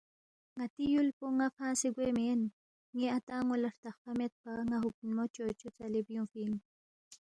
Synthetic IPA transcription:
ŋat̪ijulpuŋafãːsiɡʷemen | ŋiat̪aːŋulaɾt̪aχpamet̪̚paŋaɦuk̚nmot͡ʃot͡ʃut͡salibjũfin

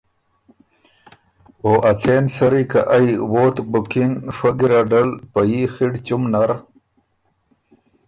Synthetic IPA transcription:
oʔɐt͡sʰeːnsɐɾika̰ʔajwoːt̪bukinʂɐɡiɾaɖɐlpɐjixiɖt͡ɕumnaɾ

